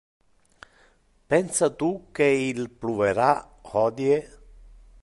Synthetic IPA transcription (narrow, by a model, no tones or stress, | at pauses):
pɛnsat̪ukeilpluveɾa | hɔd̪je